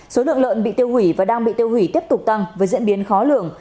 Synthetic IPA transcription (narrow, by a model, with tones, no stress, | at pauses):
so˨˦lɨ̰˧˨ələ̰ː˧˨nɓḭ˧˨t̪i˧əwhwi˧˩vaː˨˩ɗaː˧ŋɓḭ˧˨t̪i˧əwhwi˧˩t̪i˦˥əp̚t̪ʊ˨˩k͡p̚t̪a˧ŋvəː˨˦jzḭ˧˥ənɓi˨˦ənxɔ˨˦lɨ̰˧˨əŋ